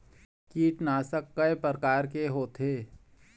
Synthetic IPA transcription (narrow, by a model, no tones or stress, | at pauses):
kiːʈnaːsəkːəepɾəɾkaːɾkeɦoːt̪eː